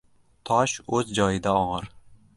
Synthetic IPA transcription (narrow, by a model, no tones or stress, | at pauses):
t̪ʰɒʃɵzd͡ʒɒjɪd̪aɒʁɨɾ